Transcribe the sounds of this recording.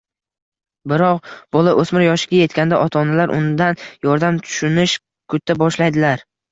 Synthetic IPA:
bɪɾɒqb̥ɒlˠaʔɵsmɪɾjɒʃɪɡʲaje̞t̪kʲand̪aʔɒt̪ʰɒnalaɾʔʊ̰nd̪anjɒɾd̪amt̪ʰʊ̥ʃʊnɪʃ | kʰʊt̪ːabɒʃlajd̪ɪlaɾ

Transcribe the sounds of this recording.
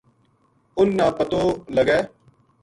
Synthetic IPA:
ʊnːãːpət̪oːləɡɛː

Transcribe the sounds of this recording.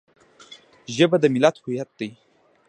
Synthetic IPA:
ʒəbad̪əmɪlat̪hujat̪̚d̪aj

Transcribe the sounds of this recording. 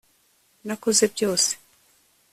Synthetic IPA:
nako̞ze̞bjo̞ːse̥

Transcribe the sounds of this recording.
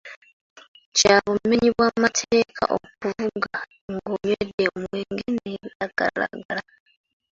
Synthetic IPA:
caːβume̞ɲiβwamatʰeːkʰa̰ʔo̰kuvuɡa | ŋɡoɲwedeomweːŋɡeneaɡ̥a̰ɾa̰ɡaɾa

